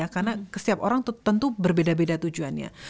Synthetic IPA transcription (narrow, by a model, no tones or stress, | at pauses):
akarnakəsiapoɾaŋt̪t̪ənt̪ubərbedabedat̪ud͡ʒuanɲa̰